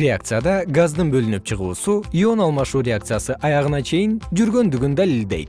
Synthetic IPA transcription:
ɾʲea̰k̚t̪sɨjad̪ɑɡazd̪ɯɴbølynyp̚t͡ʃʰɨʁṵːsuio̞nɑlˠmɑʃuːɾʲeak̚t̪sɨjasɯʔɑjɑʁənɑt͡ʃʰe̞jɪnd͡ʒyɾɡø̞nd̪yɡʲynd̪ælild̪e̞jt̪

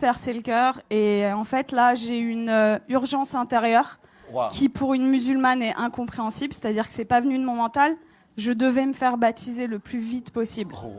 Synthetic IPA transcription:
pɛʁseləkʲœːʁeɑ̃fɛt̪laʒeynøyʁʒɑ̃sɛ̃t̪eʁjœːʁ | kʰʲipʰuʁynmyzylmanɛʔɛ̃kɔ̃pχeɑ̃siblse̥t̪ad̪iʁkə̥sɛpavənyd̪əmɔ̃mɑ̃t̪al | ʒəd̪əvɛməfɛʁbat̪ʰizeləplyvit̪pɔsibl

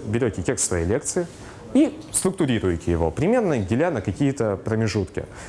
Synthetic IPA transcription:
bʲɪɾʲotʲɪtʲe̞kssvɐjejlʲe̞k̚t̪sɨɪ | ist̪ɾʊkt̪ʊɾʲiɾʊjɪtʲɪjɪvo̞̰pɾʲɪmʲe̞rnəɡʲɪlʲanəkɐkʲijɪt̪əpɾəmʲɪʐut̪kʲɪ̰

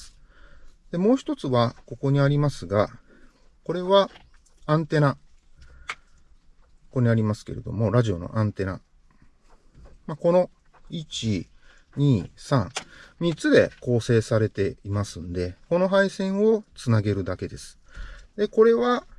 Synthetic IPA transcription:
ɨ̥ | d̪̥e̞mo̞ːçi̥t̪o̞t͡sɨβako̞ko̞ɲ̟iaɾʲimasɨɡa | ko̞ɾe̞βa | ãnt̪e̞na | koko̞ɲ̟iaɾʲimasɨ̥ke̞̰ɾe̞̰d̪o̞̰mo̞ɾaʑio̞̰no̞̰ʔãnt̪e̞na̰ | mako̞no̞ | it͡ɕi | ɲ̟iːsãŋmʲit͡sɨd̪e̞ko̞ːse̞ːsaɾe̞t̪e̞imasɨ̃nd̪e̞ko̞no̞ɦaisẽ̞ɰ̃o̞t͡sɨnaɡe̞ɾɯ̟d̪ake̞d̪e̞sɨ̥d̪eko̞ɾe̞βa

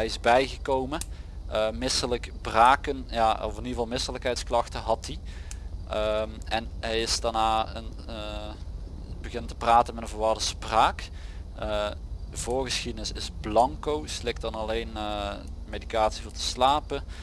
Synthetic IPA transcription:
ɛjɪzbɛjɣəkowmə | əmɪsələkbraːkənjaːɔfɪniəvɑlˠmɪsələkɦɛjtsklɑxtəɦɑti | əmɛnɦɛjɪsdaɹnaːən | bəɣɪnəntəpraːtənmɛtə̃nvəːɹʋɑɹdəspraːk | əəvʊːɹɣəsxidənɪsɪsblɑŋkowslɪk̚t̚dɑnɑlejnəmejdikaːtsivoːɹtə̥slaːpə

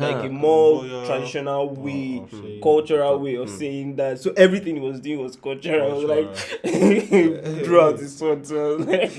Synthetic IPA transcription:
laɪkemɔtʰɹ̥adiʃɔnalwe | kʌlˠt͡ʃɔɹalweɔv̥seɪ̃ŋðatsoʔɛvɹiθɪ̃ŋit̚wɔzduĩŋwɔz̥kʌlt͡ʃɔɹawɔzlaɪk | dɹuaʊt̚ðɪsɔ̃tuʌslaɪk

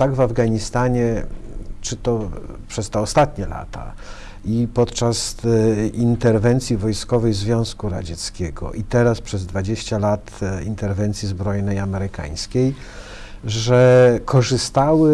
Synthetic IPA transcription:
t̪aɡvavɡaɲist̪aɲɛ | t͡ʂɘt̪ɔpʂɛst̪ɛɔst̪at̪ɲɛla̰t̪ʰa̰ | ipɔt̪t͡ʂas | int̪ɛɾvɛnt̪sʲjivɔjskɔvɛjzvʲjɔ̃w̃skuɾa̰d͡ʑɛt̪skʲɛɡɔ̰ʔit̪ɛɾaspʂɛzd̪vad͡ʑeɕt͡ɕalat̪ḭnt̪ɛɾvɛnt̪sʲjizbɾɔjnɛjamɛɾɘka̰j̃skʲej | ʐɛkʰɔʐɘst̪awɘ

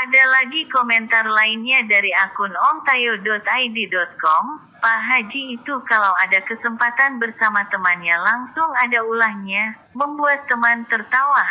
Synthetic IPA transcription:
ʔadalaɡikomɛnt̪arlainɲadaɾiakʊnɔnt̪ajodɔt̪ajdidɔt̪̚kɔm | paɦad͡ʒiːt̪ukalawadakəsəmpat̪anbərsamat̪əmanɲalaŋsʊŋadaulahɲa | məmbuat̪ːəmant̪ərt̪awa

